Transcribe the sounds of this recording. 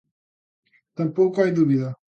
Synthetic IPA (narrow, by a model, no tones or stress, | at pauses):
t̪ɐ̃mpowkʊajðuβiðɐ